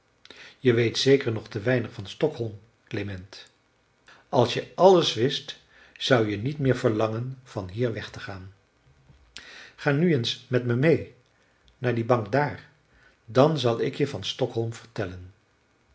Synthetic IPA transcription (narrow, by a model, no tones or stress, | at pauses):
jəʋejtsejkəɹnɔχtəʋɛjnəχfɑnstɔkɦɔlˠm | klemɛnt | ɑlˠsjəʔɑləsʋɪst | z̥ʌwjənitmɪːɹv̥əɹlɑŋənv̥ɑnɦiːɹʋɛχtəχaːn | χaːnyənsmɛtməmej | naːɹdibɑŋkdaːɹ | dɑnzɑlˠɪkjəvɑnstɔkɦɔlˠmv̥əɹtɛlən